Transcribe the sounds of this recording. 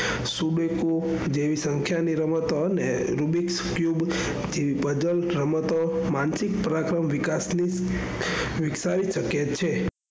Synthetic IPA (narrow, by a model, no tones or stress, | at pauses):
suɖeku | d͡ʒeʋisəŋkʰjaniɾəmət̪oːne | ɾubikskjub | d͡ʒeʋipəd͡ʒəlɾəmət̪omansik̚pəɾakɾəmʋɪkasni | ʋɪksaɾiʃəkjet̪t͡ʃʰe